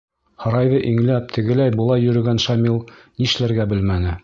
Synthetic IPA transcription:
hɤ̆ɾɑjðɤʔiŋlæp̚t̪ʰɘ̆ɡɘ̆læjbŭlˠɑjːɵ̆ɾɵ̆ɡænʃɑmilˠniʃlæɾɡæbɘlmænɘ

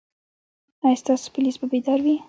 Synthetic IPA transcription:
ajst̪ɑso̥pʊlisbabed̪ɑɾwi

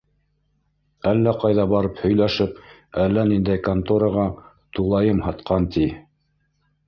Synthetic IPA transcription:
ælːæqɑjðɑbɑɾɤphɵ̆jlæʃɘp̚ | ælːænind̪æjkant̪oɾɑʁɑ | t̪ulˠɑjɤmhɑt̪qɑnt̪ʰi

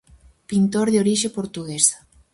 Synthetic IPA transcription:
pint̪oɾðeoɾiʃepoɾt̪uɣesḁ

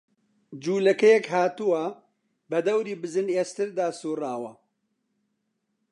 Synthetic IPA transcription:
d͡ʒuːlɐkɛjɛkɦaːt̪uwɐ | bɐd̪ɐwɾiːbɨzɨneːst̪ɨɾd̪aːsuːraːwɐ

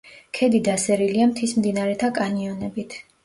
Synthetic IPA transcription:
kʰɛd̪id̪asɛɾiliamt̪ʰismd̪inaɾɛt̪ʰakʼaniɔnɛbit̪ʰ

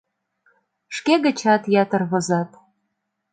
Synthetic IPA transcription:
ʃkeɣə̆t͡ɕɑt̪jɑt̪ə̆rβɤ̆zɑt̪

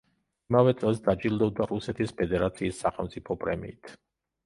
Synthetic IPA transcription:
imavɛt̪sʼɛlˠsd̪ad͡ʒilˠd̪ɔbd̪aɾusɛt̪ʰispʰɛd̪ɛɾat̪sʰiːsːaχɛlˠmt̪sʼipʰɔpʼɾɛ̰mḭːt̪ʰ

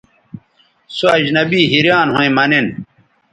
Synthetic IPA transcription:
suɐd͡ʑnɐbiːɦiɾjaːnɦõĩmɐnin

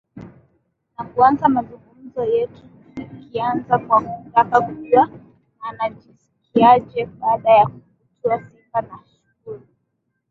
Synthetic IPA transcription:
nakuanzamazuŋɡuzɔjɛtu | ikianzakwakutakakuʄuwaː | naʄisi̥kiaʄɛɓaːɗajakufutuasimbanaʃuhuli

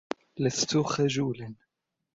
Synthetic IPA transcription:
last̪ʊxad͡ʒuːlan

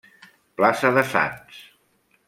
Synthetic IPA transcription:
plasəðəsa̰ns

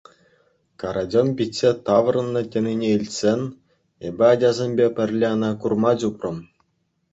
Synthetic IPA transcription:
kɑɾʔɑdʲonpʲitʲsʲet̪ɑʋrɤ̆nːɤ̆tʲĕnʲinʲeilʲtʲsʲenʲ | ebʲɘ̆ɑdʲɑzʲemʲbʲepʲɘ̆rʲlʲeɤnɑkurmɑd͡ʑuprɤ̆m

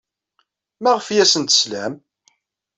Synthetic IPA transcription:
mæʁəfjæsənt̪ə̥slæm

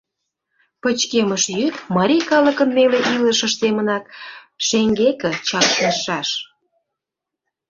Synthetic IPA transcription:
pə̆t͡ɕkeməʃjyt̪mɑɾʲikɑlə̆kə̆nmeleʔiləʃə̆ʃsemənɑk | ʃeŋɡekə̆t͡ɕɑkt̪ɑʃɑʃ

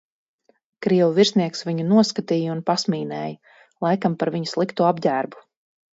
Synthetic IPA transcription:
kɾiɛvuviɾsniɛksviɲunuɔskat̪iːjəunpasmiːnɛːjə | lˠajkampaɾviɲuslˠikt̪uabɟæːɾbu̥

